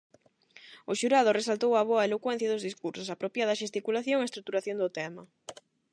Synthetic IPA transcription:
ʊʃuɾaðʊresalt̪owɐβ̞oɐelokwɛ̃n̟θjɐðʊzðiskuɾsʊsapɾopjaðɐʃest̪ikulaθjoŋest̪ɾuk̚t̪uɾaθjond̪ʊt̪ɛmɐ

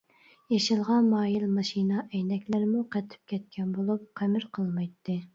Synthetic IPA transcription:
jeʃɨlˠʁɑnmɑːjilmɑʃinɑʔɛjnɛkʲlɪɾmuqʰɛt̪ʰɪ̥p̚kʲɛt̪̚kʲʰɛnbolˠup̚qʰæmɪɾqʰəlˠmɨjt̪ːɨ

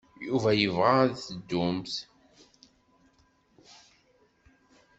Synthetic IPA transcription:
juvæjəvʁaðθəd̪ːʊmθ

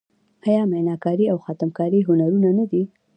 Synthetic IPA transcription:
ajɑmajnɑkɑɾiawxɑt̪əmkɑɾiɦʊnaɾunanad̪i

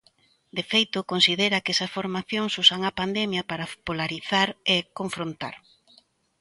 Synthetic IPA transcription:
d̪efejt̪ʊkonsiðeɾɐkɛsɐsfoɾmaθjoŋsusaŋɐpand̪emjɐpaɾɐpolaɾiθaɾekoɱfɾont̪a̰ɾ

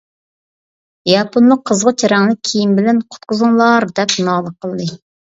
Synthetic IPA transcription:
jɑponlˠʊqʰːəzʁɑt͡ʃʰeɾɛŋnɨkʲʰijimbɪlɛnqʰʊ̥t̪̚qʰʊzuŋlˠɑɾd̪ɛpnɑːlˠəqʰəlˠd̪ɨ

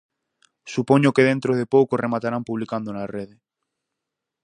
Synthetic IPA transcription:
supoɲokeðe̞nt̪ɾoð̞epowkoremat̪aɾampuβ̞likand̪onareð̞e

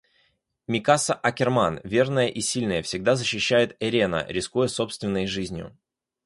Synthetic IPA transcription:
mʲɪkasəʔɐkʲɪrmanvʲe̞rnəjəʔisʲilʲnəjəfsʲɪɡ̚d̪azəɕːɪɕːæjɪt̪ɐɾʲenə̰ɾʲɪskujəso̞pst̪vʲɪnːəjʐɨzʲnʲjʊ̰

